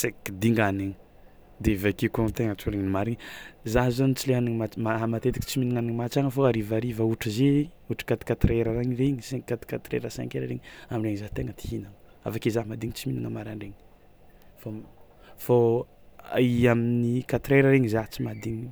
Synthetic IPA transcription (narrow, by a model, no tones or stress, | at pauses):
sekid̪iŋɡaniŋ | d̪evakekont̪eŋət͡ʃuɾeŋinimaɾiɲzaɦzanit͡sileɦaniŋmat͡ʃmaamat̪et̪i̥ki̥t͡siminiŋaniŋmat͡ʃaŋəfoaɾivaɾivauʈ͡ʂize | uʈ͡ʂi̥kat̪i̥kat̪ɾeɾaɾaŋireɲiseŋkat̪i̥kat̪ɾḛɾasa̰ŋkeɾəɾeŋaminreŋzaɦt̪eŋət̪i̥ɦinaŋa̰fakezaɦmad̪iŋit͡siminiŋəmaɾaɳɖ͡ʐeŋi̥ | fo | fo | aiaminikat̪ɾeɾəɾeŋizat͡simad̪iŋi